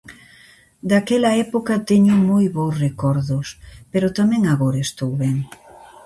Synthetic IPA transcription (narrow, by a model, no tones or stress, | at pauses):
d̪akɛlɐɛpokɐt̪eɲʊmojβowsrekɔɾðʊspeɾot̪amɛ̃ŋaɣoɾɐest̪owβɛŋ